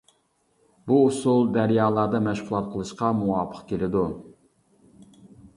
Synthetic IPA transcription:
buːsulˠd̪æɾjɑːlˠɑɾd̪ɑmɛʃʁlˠɑt̪̚qʰəlˠɨʃqɑmuɑːpʰə̥qkʲelɪd̪u

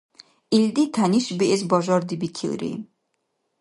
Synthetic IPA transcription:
ild̪it̪ʰaniʃbiʔɛs̬bɔʒɔɾd̪ibikʰḭlɾḭ

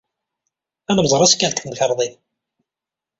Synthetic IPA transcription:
ænəmzˤɾˤæskælt̪θəmçəɾˤðˤið

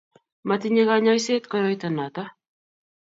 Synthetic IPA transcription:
mat̪iɲeɣaɲajset̪kɔjɔit̪anat̪a

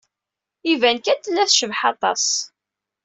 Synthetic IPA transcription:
ivænkæt̪ːəlːæθʃəvħɑt̪ˤɑ̰s

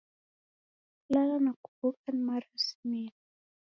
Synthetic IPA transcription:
lalanaku̥bukanmaɾasimini

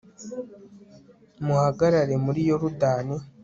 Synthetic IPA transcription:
muhaɡaɾaɾe̞muɾijo̞ɾudaːne

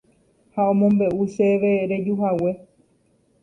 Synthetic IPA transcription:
haõ̞mõ̞mbe̞ʔuʃe̞ʋe̞ɾe̞d͡ʒuɦawe̞

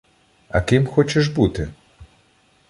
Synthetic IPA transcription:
ɐ̰kɪmxɔt͡ʃeʒbut̪ɪ

